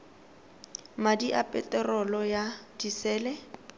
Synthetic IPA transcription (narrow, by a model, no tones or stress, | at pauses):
madiʔapʼɛ̰tʼɛrɔlɔjad̥isɛːlɛ